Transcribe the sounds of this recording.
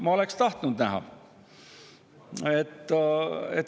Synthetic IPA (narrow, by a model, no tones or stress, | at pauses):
mɑole̞kst̪ɑht̪nud̪næɦɑ̰ | et̪ːet̪ː